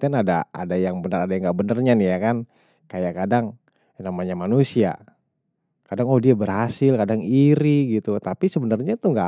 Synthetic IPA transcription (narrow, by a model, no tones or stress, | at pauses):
anadaa̰dajaŋbənəradajaŋɡaʔbənərɲanijakan | kajakadaŋ | namaɲamanusia̰ | kadaŋɔhdiabərhasɪlkadaŋiɾiɡit̪ut̪apisəbənərɲat̪uŋɡa